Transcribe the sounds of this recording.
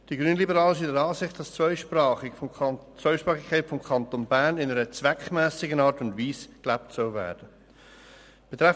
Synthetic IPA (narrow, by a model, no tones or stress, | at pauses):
d̥iɡʁyːnlibəɾɑːləʃ̬idɛɾɑːsɪχtd̥ɑst͡svœʏʃpɾɑːχɪ | t͡svœʏʃpɾʁɑːχikʰːaɪtfɔmkʰɑntonbæːɾnɪnəɾət͡svɛkmɛːsɪɡənɑːɾtʊndviːsklæptsœlvɛ̰ːd̥ə | b̥ɛt̪ʁɛ